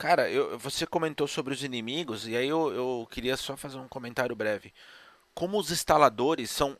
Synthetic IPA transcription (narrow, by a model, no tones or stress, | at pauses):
kaɾɐewvosekõmẽnt̪osobɾɪʊzinimiɡʊzɪaiewewkɪɾiɐsɔfazeɾũkõmẽnt̪aɾjʊbɾɛvɪ | kõmʊʊzĩst̪alad̪oɾɪsːɐ̃w̃